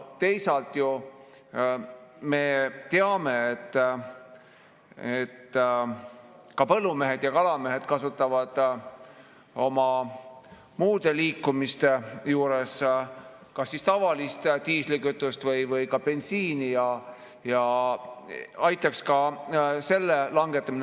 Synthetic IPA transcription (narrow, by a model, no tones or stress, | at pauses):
t̪e̞jsɑlt̪ˑju | me̞t̪e̞ɑme̞et̪ːˑ | et̪ː | kɑpɤlːume̞ɦe̞d̪̥jɑkɑlɑmeɦe̞d̪̥kɑsut̪ːˑɑvɑd̪̥ | o̞mɑ | muːd̪̥e̞liːkːumist̪ejuːɾes | kɑsːist̪ɑvɑlist̪t̪iːslikyt̪ːˑust̪vɤjvɤjkɑpe̞nsiːnijɑ | jɑ | ɑjt̪ˑːɑkskɑse̞lːelɑŋɡe̞t̪ːˑɑmin